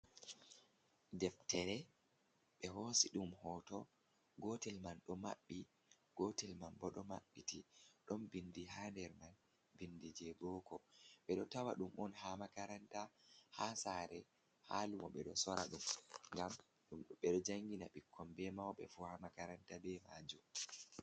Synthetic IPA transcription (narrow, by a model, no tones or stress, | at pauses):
dɛftɛɾɛ | ɓɛɦoːsiɗumhɔːtɔ | ɡɔtɛlmanɗɔma̰ɓːi | ɡ̥ɔtɛlmanbɔɗɔma̰ɓːitiɗɔnbindiɦandɛɾman | bindid͡ʒɛbɔːkɔɓɛɗɔtawa̰ɗumɔnhamakaɾantahasaɾɛ | ha̰ːlumɔɓɛɗɔsɔɾaɗumŋɡam | ɗumɗɓɛɗɔd͡ʒaŋɡinaɓikʰːɔmbɛmawɓɛ̰fuhamakaɾantabɛmad͡ʒum